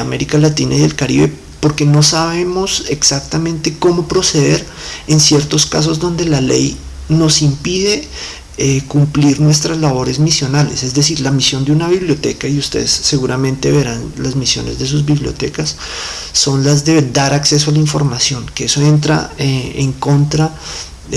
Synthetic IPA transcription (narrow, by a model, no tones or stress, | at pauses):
ame̞ɾikalat̪ina̰iðe̞lkaɾiβe̞̰ | po̞ɾke̞no̞saβe̞mo̞se̞ksak̚t̪amẽnt̪e̞ko̞mo̞pɾo̞se̞ðe̞ɾ | e̞nsje̞ɾt̪o̞ska̰s̬o̞zd̪o̞nd̪e̞lale̞̰j | no̞simpiðe̞ | kumpliɾnwe̞st̪ɾazlaβo̞ɾe̞zmisjo̞nale̞se̞zd̪e̞siɾlamisjo̞nd̪eunaβiβljo̞t̪e̞̰kaiust̪e̞̰ðesːe̞ɣuɾamẽ̞nt̪e̞βe̞ɾanlazmisjo̞̰ne̞zd̪e̞s̬uzβiβljo̞̰t̪e̞̰kasː | o̞nlazd̪e̞d̪aɾakse̞s̬oalaiɱfo̞ɾmasjo̞ŋkeeso̞e̞nt̪ɾa̰eḛŋko̞nt̪ɾa